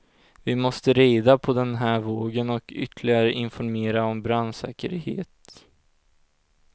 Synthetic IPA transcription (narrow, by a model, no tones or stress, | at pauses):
vɪmɔst̪əɾeːd̪apʰɔd̪ɛnɦæːɾvoːɡənɔkʰʏ̰t̪ʰːlɪɡaɾəʔɪnfɔɾmeːɾaɔmbɾansɛ̰ːkə̰ɾhḛːt̪